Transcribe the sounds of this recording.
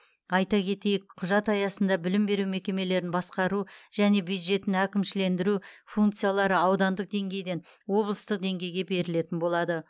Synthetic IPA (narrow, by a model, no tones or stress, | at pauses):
ɑjt̪ɑkʲʰe̞t̪e̞jɪkqʰʊʒɑt̪ɑjɑsənd̪ɑbɪlɪmbe̞ɾume̞kʲe̞me̞le̞ɾɪnbɑsqɑɾuʒ̥æne̞bjujd̪ʒe̞t̪ːɪnækʲɪmʃɪle̞nd̪ɪɾufuŋkt̪sɨjalˠɑɾəɑwd̪ɑnd̪əq̚d̪e̞ŋɡʲe̞jd̪e̞nwo̞blˠəst̪əq̚d̪e̞ŋɡʲe̞jɡʲe̞be̞ɾɪle̞t̪ɪnbo̞lˠɑd̪ə